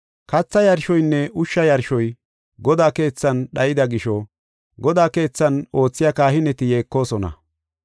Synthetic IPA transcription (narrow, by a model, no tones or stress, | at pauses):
kɐt͡sːɐjɐɾʃɔjnːɛʔʊʃːɐjɐɾʃɔj | ɡɔd̪aːke̞ːt͡sːɐnɗɐjɪd̪ɐɡɪʃɔ | ɡɔd̪aːke̞ːt͡sːɐno̞ːt͡sːɪjakaːhɪnɛt̪ɪje̞ːkːo̞ːsɔnɐ̰